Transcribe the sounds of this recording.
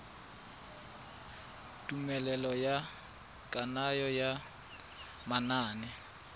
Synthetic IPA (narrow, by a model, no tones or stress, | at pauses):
tʼumɛlɛlɔja | kʼanajɔja | manaːnɛ